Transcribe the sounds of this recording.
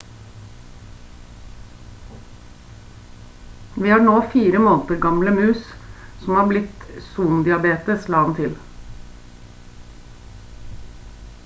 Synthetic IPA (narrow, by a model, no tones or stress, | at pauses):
ʋiːhɑːɳoːfiːɾəmoːnt̪əɾɡɑmləmʉːssɔmhɑːblɪt̪suːnd̪ɪɑbeːt̪əslɑːɑnt̪ʰɪl